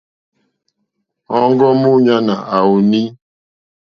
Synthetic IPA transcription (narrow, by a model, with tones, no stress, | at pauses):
ɔ˦ŋ˦ɡɔ˦mu˦ɲa˦na˨a˨u˨ni˦